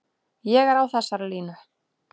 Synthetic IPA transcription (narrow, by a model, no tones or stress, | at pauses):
jɛɣɛɾawθɛsːaɾliːna